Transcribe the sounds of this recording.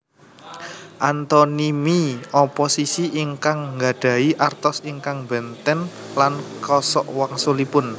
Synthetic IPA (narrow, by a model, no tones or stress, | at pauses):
ʔant̪ɔnimiɔposisiʔiŋkaŋːɡa̤ɖ̥ä̤iʔart̪ɔsiŋkaŋbɛnt̪ɛnlankɔsɔ̰ʔwaŋsulipʊn